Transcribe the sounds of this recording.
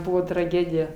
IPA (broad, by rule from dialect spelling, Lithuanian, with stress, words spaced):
ˈbʊʋoː trɐˈɡʲeːdʲɪjɛ